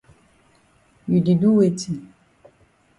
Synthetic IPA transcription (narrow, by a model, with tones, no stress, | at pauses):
ju˨di˨du˦we˨ti˨